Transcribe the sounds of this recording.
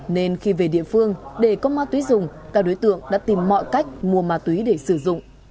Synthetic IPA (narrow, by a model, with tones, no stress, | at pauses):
ne˧nxi˧ve˨˩ɗḭ˧˨əfɨ˧əŋɗe˧˩kɔ˨˦maː˧˥t̪wi˨˦zʊ˨˩ŋ͡mkaː˦˥k̚ɗo˨˦jt̪ɨ̰˧˨əŋɗa̰ː˧˥t̪i˨˩mːɔ̰˧˨jka˦˥jk̟̚mu˨˩əmaː˨˧˥t̪wi˨˦ɗe˧˩sɨ˧˩zʊ̰˧˨ŋ͡m